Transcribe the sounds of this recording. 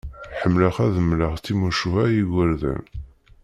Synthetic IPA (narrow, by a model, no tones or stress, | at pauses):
ħəmːləχæðəmləʁt͡sːimuʃuhæjiɡʷəɾðæ̰n